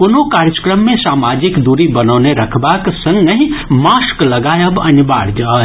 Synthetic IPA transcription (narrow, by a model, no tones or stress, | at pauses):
pʊnokaːɾjəkɾəmːẽsaːmaːd͡ʒɪkd̪uɾibənoːneɾɐkʰbaksə̃ŋɡnəɦĩmaːsklɐɡaːjɐbɐ̰nba̰ːɽd͡ʒaː